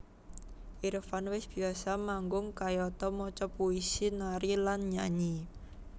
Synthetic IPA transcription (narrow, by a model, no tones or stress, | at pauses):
ʔiɾfanwɪsb̥i̤asamaŋɡʊŋkajɔt̪ɔmɔt͡ʃɔpuisinaɾilanɲaɲi